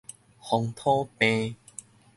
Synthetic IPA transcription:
hɔ˧ŋt̪ʰo˦pẽ˧

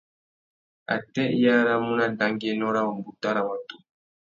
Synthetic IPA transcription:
a̰˨tɛ˦ja˦ɾa˦mu˦na˦n˨da˨˦ŋɡi˦ɛ˦nɔ˦ɾa˦wɔ˨mbu˦ta˦ɾa˨wa˨tu˨

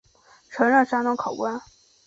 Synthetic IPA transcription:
ʈ͡ʂʰɤ˧˥ŋɻə˥˩nʂa˥nʊ˥ŋkʰɑ˨˩ʊkwa˥n

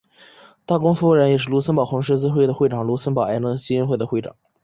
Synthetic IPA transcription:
t̪a˥˩kʊ˥ŋfu˥˧˩ɻjɛ˨˩ʂɻ̩˥˩lu˧˥sʰə˥npɑ˨˩ʊxʊ˧˥ŋʂ̬ɻ̩˥t͡sɹ̩˥xwe˥˩ɪd̪ə˩xwe˥˩ɪʈ͡ʂɑ˨˩ŋlu˧˥sə˥npɑ˨˩ʊa˧˥nə˧˥t͡ɕi˧˥i˥nxwe˥˧ɪd̪ə˩xwe˥˩ɪʈ͡ʂɑ̰˨˩˦ŋ

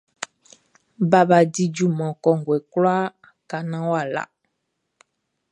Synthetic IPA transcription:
ba˦ba˨di˦d͡ʒu˦mɔ̃˨kɔ˨ŋ˨ɡwɛ˨kla˦ | ka˨nã˦wa˦˨la̰˨

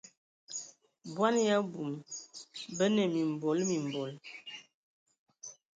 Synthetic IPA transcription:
bwa˦nja˦bu˨m | bə˦nə˨mi˨m˨bo˨˦lmi˨m˨bɔ˨l

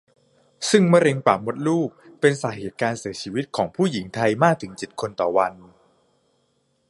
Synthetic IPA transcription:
sɯ˥˩ŋma˥˩˨ɾe˧ŋpaː˨˩mo˦˥t̪̚luː˥˩k̚pe˧nsaː˩˦ɦeː˨˩t̪̚kaː˧nsi˨˩˦ɐt͡ɕʰiː˧wi˦˥t̪̚kʰɔː˩˦ŋpʰuː˥˩ji˩˦ŋt̪ʰa˧jmaː˥˩k̚t̪ʰɯ˩˦ŋt͡ɕi˨˩t̪̚kʰo˧nt̪ɔː˨˩wa˧n

